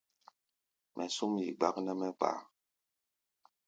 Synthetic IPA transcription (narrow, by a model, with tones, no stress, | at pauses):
mʔɛ˨su˦mjḭ˨ɡ͡ba˦knɛ˦mɛ˦k͡pa̰˨